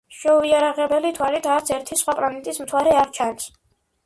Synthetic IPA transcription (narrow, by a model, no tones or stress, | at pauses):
ʃɛuiaɾaʁɛbɛlit̪ʰwalit̪ʰaɾt̪sʰɛɾt̪ʰisχwapʼlanɛt̪ʼismt̪ʰwaɾɛaɾt͡ʃʰans